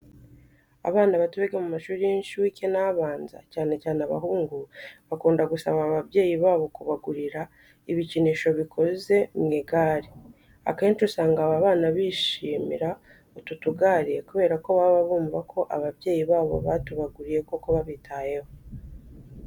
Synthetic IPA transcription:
a̰βaːnaβatuβeɡemumaʃuːɾijenʃuwicenaβaːnza̰caːne̞caːnaβa̰ɦuːŋɡuβakuːndaɡusaβaβaβje̞ːjiβaːβo̞kuβaɡuɾiɾa | iβiciniʃo̞βikʰo̞ze̞mŋeɡaːɾi | a̰ke̞ːnt͡ʃusaːŋɡaβaβaːnaβiːʃiːmḭɾa | ututuɡaːɾije̞kuβe̞ːɾako̞βaβaβuːmvakʰo̞ʔaβaβje̞ːjiβaːβo̞̰βatuβaɡuɾije̞koko̞βaβitʰaːje̞ho̞

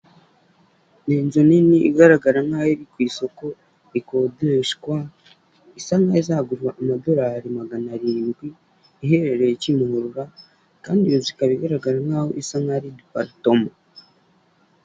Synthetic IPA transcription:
niːnzoniniʔiɡaɾaɡaɾaŋaːhoɾikwiːso̞ko | ikodɾeʃkwa | isaŋaizahɡuɾwaʔːmado̞ɾahaɾimaɡanaɾiːnɡwiː | ɦe̞ɾe̞ɾejecimuhuɾuɾa | kaːndijozikaβiɡaɾaɡaɾaŋaːho̰ʔisaŋaɾidipa̰ɾitoma

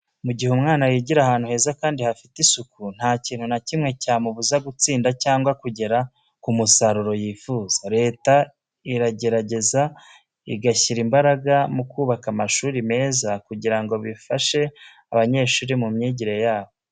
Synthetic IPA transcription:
muɟiheumŋaːnajiɟiɾahaːn̥huhe̞ːzakaːndihafitisukun̥haːciːnhunacimŋe̞caːmuβuzaɡut͡siːndacaːŋɡwakuɟe̞ɾa | kumusaɾuɾo̞jiːfuːz̥aɾe̞ːta | iɾaɟe̞ɾaɟe̞za | iɡaçiɾimbaɾaɡamukuːβakamaʃuːɾime̞ːzakuɟiɾaŋɡo̞βifaʃe̞ | aβaɲe̞ːʃuːɾimumɲiːɟiɾe̞jaːβo

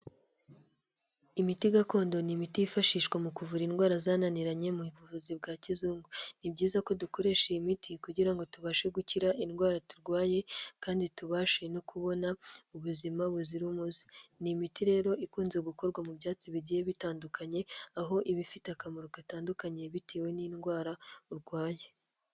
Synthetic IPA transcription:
imitiɡako̞ːndo̞nimitijifaʃiːʃkwemukuvuɾinɡwaːɾazaːnaniɾaɲe̞muβuvuzibɡaːcizuːŋɡunibɟiːzako̞duko̞ɾe̞ʃeimitʰikuɟiɾaŋɡo̞tuβaʃe̞ɡuciɾaʔinɡwaːɾatuɾɡwaːje̞kaːndituβaːʃe̞no̞kʰuβo̞nauβuzimaβuziɾumuzi̥nimitiɾe̞ːɾo̞ikuːnze̞ɡuko̞ɾɡwamubɟaːt͡siβiɟijeβitaːndukʰaɲe̞aɦo̞ʔiβifiteakamoɾokataːndukaɲe̞βiteːwe̞niːnɡwaːɾauɾɡwaːje̞

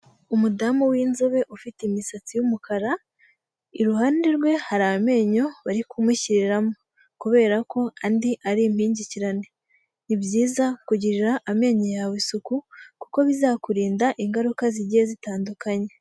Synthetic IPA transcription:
umudamuwiːnzoβe̞ʔufitimisat͡sijumukʰaɾa | iɾuhaːndeɾɡwe̞haɾame̞ːɲo̞βaɾikumiciɾiɾamo̞ | kuβe̞ːɾako̞andiʔaɾim̥hiːɲɟiciɾane̞ | nibjiːzakuɟiɾiɾaʔːme̞ɲojawesukukuko̞βizaːkuɾiːndaʔiŋɡaɾukaziɟijezitaːndukaɲe̞

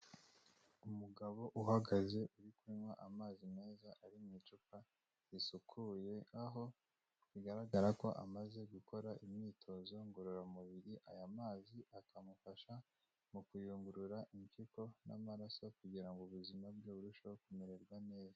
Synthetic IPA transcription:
umuɡaβo̞ʔuhaɡaze̞ʔuɾikuimwaʔamaːzime̞ːzaʔaɾimɲit͡ʃuka | zisukʰuːje̞aɦo̞ | βiɡaɾaɡaɾako̞ʔa̰maze̞ɡukʰo̞ɾaʔimɲiːtʰo̞zo̞ŋɡuɾuɾamuβiɾiʔajamaːziakamufaʃa | mukujuːŋɡuɾuɾaʔiɲkiko̞na̰maɾasokuɟiɾaŋɡoβuzimabɡeβuɾuʃokumeɾeɾɡwane̞ːza

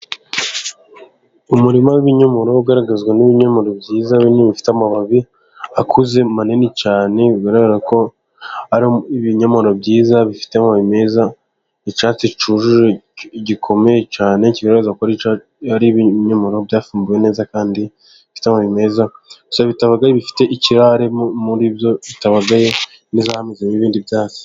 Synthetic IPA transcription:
umuɾimawiβiɲomo̞ɾo̞uɡaɾaɡazɡwaniβiɲomoɾobɟiːzaβiniβifi̥teamaβaβi | akʰuze̞manenicaːne̞βiɡaɾaɡaɾako̞ | aɾiβiɲomoɾobɟiːzaβifi̥teamaβime̞za | it͡ʃaːt͡sit͡ʃuʒuʒeɟikʰo̞me̞jet͡ʃaːne̞ciɡaɾzakoɾi | haɾiβɲamoɾobjaːfuːmbuje̞ne̞ːzakaːndi | ifi̥teamaβime̞zaɡu̥saββitaβaɡajeβifi̥te̞ʔiciɾaɾemuɾiːbjo̞βitaβaɡaje̞ | nizahamizemiβiːndibjaːt͡si̥

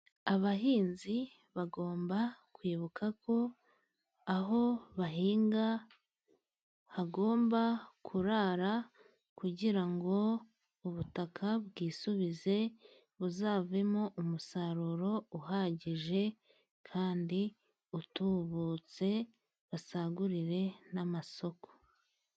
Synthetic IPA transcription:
aβaɦiːnzi | βaɡo̞ːmbakwiːβukʰako̞ː | ɦo̞βaɦiːŋɡa | haɡo̞ːmbakʰuɾaɾa | kuɟiɾaŋɡo̞ | uβutakʰaβɡiːsuβize̞ | βuzaːve̞moʔumusaɾuɾo̞uɦaɟiʒe̞ | kʰaːndi | utuβut͡se̞ | βasaɡuɾiɾe̞namaso̞ko̥

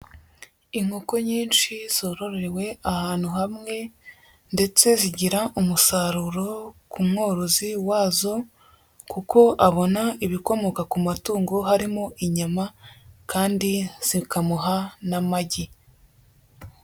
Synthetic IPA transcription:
iŋ̥hoko̞ɲiːnʃiz̥oɾo̞ɾeewe̞ahaːn̥huhamŋe̞ | nde̞t͡se̞ziɟiɾaʔumusaɾuɾo̞kumŋoːɾoziwaːzo̞ | kuko̞ʔaβo̞naiβiko̞mo̞kakumatuːŋɡo̞ɦaɾimoʔiɲamakʰaːndiz̥ikamuɦanamaɟi

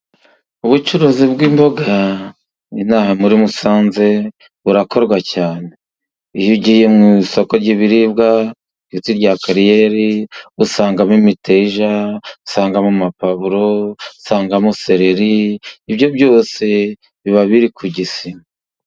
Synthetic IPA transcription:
uβut͡ʃuɾozibɡiːmbo̞ɡa | inaːhamuɾimusaːnze̞ | βuɾako̞ɾɡwacaːne̞ | ijuɟihijemŋiso̞ko̞ɾɟiβiɾib̚ɡa | itiɾɟakaɾijeɾiusaːŋɡamimiteʒausaːŋɡamumapaβuɾousaːŋɡamuse̞ɾeɾiːbɟo̞bɟo̞ːse̞ | βiβaβiɾikʰuɟisim

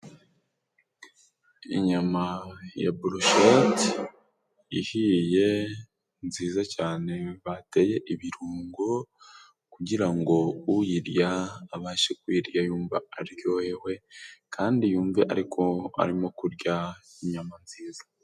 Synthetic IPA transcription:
ḭɲamaja̰buɾoʃot | ihije̞ | nziːzacaːne̞βate̞je̞ʔiβiɾuːŋɡo | kuɟiɾaŋɡo̞ujiɾjaːβaːʃekwiːɾjajuːɱva̰aɾjo̞jewe̞kʰaːndijuːɱveʔa̰ɾikʰo̞a̰ɾimo̞kuɾɟaiɲamanziːzḁ

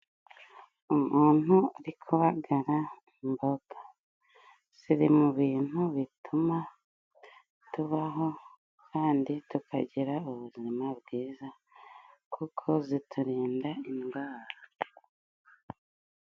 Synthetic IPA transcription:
umuːn̥huaɾikʰuβaɡaɾaimboɡḁ | z̥iɾimuβiːn̥huβituma | tuβaɦo̞ | kʰaːnditukʰa̰ɟiɾauβuziimabɡiːza | kukʰo̞zitʰuɾiːndainɡwaːɾɾa

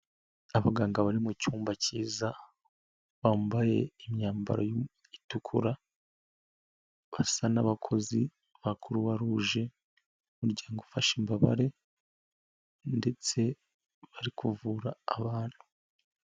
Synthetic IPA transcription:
aβaɡaːŋɡaβaɾimucuːmbaciːza | βaːmbaje̞imɲaːmba̰ɾoj | itukʰuɾa | βasanaβakʰo̞zi | βakʰuɾuβaɾuʒe̞ | muɾɟaːŋɡofaʃimbaβa̰ɾe̞ | nde̞t͡se̞ | βaɾikʰuvuːɾaːβaːn̥hu

